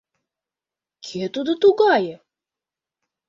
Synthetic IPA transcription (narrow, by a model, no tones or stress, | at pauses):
kʲʰet̪ud̪ɤt̪uɡɑjə